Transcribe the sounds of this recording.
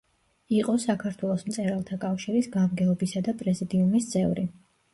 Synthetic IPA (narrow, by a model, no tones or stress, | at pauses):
iqʼɔsakʰaɾt̪ʰwɛlˠɔsmt̪sʼɛɾalˠt̪ʰakʼafʃiɾisɡamɡɛɔbisad̪apʼɾɛzid̪iumist̪sʼɛvɾi